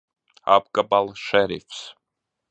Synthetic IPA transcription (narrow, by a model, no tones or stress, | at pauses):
a̰bɡabalˠʃɛɾḭfs